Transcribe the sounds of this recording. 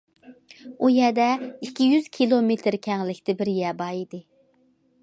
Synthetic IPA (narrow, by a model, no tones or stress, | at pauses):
ujɛd̪ɛikʲʰːijyz̥kʲʰilˠomet̪ʰɪɾkʲʰɛŋlɪkʲt̪ʰɪbɪɾjɛbɑːid̪ɨ